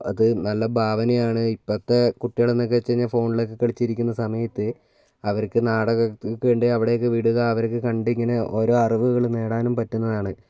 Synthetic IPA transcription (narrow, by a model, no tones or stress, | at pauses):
ɐ̰ðɨnɐlːɐbʱaːʋɐnɐjaːɳɨipːɐt̪ːekuʈːiɐɽɐnːokːet͡ɕːeɲːɐfo̞ːɳiɭo̞k̬ːekɐɭit͡ɕːiɾikʲːunːɐsɐmɐjɐt̪ːɨ | ɐʋɐɾkːɨnaːɽɐɣɐkːeɳɖɨɐʋiɽejokːeʋiɽuɣɐːʋɐɾk̬ːɨkɐɳɖiiŋːɐneʔo̞ːɾo̞ːɐriʋuɣɐɭne̞ːɽaːnumpɐtːunːɐðaːɳɨ